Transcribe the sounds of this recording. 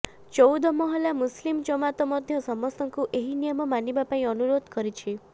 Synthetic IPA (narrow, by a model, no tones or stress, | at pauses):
t͡ʃɔwd̪ʱɔmɔɦɔlamuslimt͡ʃɔmat̪ɔmɔd̪ʱjɔsɔmɔsɔŋkuʔeɦinijɔmɔmanibapaĩɔnuɾod̪ʱkɔɾit͡ʃʰi